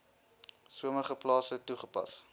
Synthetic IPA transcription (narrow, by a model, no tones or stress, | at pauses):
suəməχəplɑːsətuχəpɐ̰s